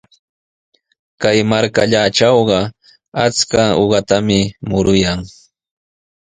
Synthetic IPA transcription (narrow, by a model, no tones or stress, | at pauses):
kajmaɾkaʎaʈ͡ʂɑwɢɑ | at͡skaoɢɑt̪amɪmʊɾʊjaŋ